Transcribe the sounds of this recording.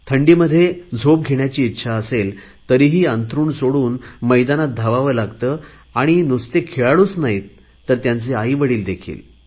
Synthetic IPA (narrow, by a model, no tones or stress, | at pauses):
t̪ʰəɳɖiːməd̪ʱːjed͡zʱop̚ɡʱeɳjat͡ɕiːt̪ːɕʰaəsel | t̪əɾiːɦiːənt̪ɾuːɳsoɽuːnməjd̪anat̪̚d̪ʱaʋaʋəlaɡt̪əː | aɽ̃inust̪ekʰeɭaɭuːsnaɦit̪ | t̪ːəɾt̪jant͡seaiʋəɽiːld̪ekʰḭːl